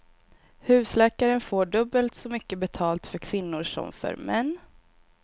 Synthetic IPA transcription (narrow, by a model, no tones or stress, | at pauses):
hʉ̟ːslɛːkaɾənfoːɖɵbːəlt̪sɔmʏkːəbɛt̪ʰɑːlt̪fœɾkʰvɪnːʊʂɔ̰mfœ̰ɾmɛnː